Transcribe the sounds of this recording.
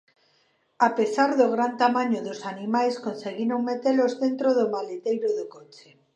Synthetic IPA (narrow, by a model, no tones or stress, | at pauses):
apesaɾðoɣ̞ɾant̪amãɲoðosanimajskonseɣiɾoŋmet̪elozðent̪ɾoðomalet̪ejɾoðokot͡ʃe̥